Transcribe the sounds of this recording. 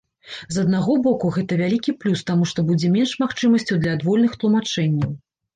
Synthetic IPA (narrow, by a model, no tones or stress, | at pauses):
zɐd̪̚naɣɔbɔkuɣɛt̪ɐvʲalʲikʲiplʲust̪amuʂt̪ɔbud͡zʲɛmʲɛnʂmaxt͡ʂɨmɐsʲt͡sʲuwd̪lʲɐːd̪vɔlʲnɨxt̪lˠumat͡ʂɛnʲːɐw